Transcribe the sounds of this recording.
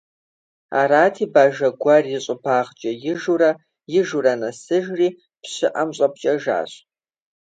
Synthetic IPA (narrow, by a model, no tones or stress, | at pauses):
a̰ːɾaːtʰiːbaːʒɐɡʷɐrjɪɕʼʊpʰaːʁt͡ʃʼɐjɪʒurɐ | jɪʒurɐnɐsɨʒriː | pɕɪʔɐmɕʼɐpt͡ʃʼɐʒa̰ːɕʼ